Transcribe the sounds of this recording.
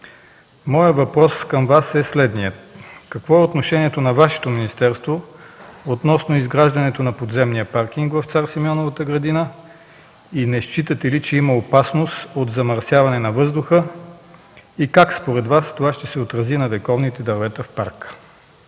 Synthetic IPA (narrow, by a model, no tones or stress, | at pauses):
mɔjəvɐpɾɔskəmvasɛslɛd̪nijət̪kɐkvɔɛot̪noʃɛniɛt̪onɐvaʃɛ̥t̪ominist̪ɛɾst̪vo | ot̪nɔsnoizɡɾaʒd̪ɐnɛt̪onɐpod̪zɛmnijəpaɾkiŋkvɐft̪saɾsimiɔnovət̪əɡɾɐd̪inə | inɛst͡ʃit̪ət̪ɛlit͡ʃɛimɐopasnosot̪zɐmɐɾsjavɐnɛnɐvɤzd̪ʊxə | ikakspoɾɛd̪vast̪ovaʃt̪ɛsɛot̪ɾɐzinɐvɛkɔvnit̪ɛd̪ɐɾvɛt̪əfpaɾkə̥